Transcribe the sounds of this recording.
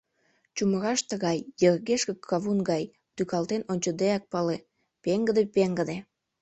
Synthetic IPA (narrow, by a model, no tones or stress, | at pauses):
t͡ɕuməɣɑʃt̪əɣɑjːərɣeʃkəkʰːɑβunɡɑj | t̪ykɑlt̪enonʲt͡ɕəd̪eɑk̚pɑle | peŋɡəd̪epeŋɡəd̪e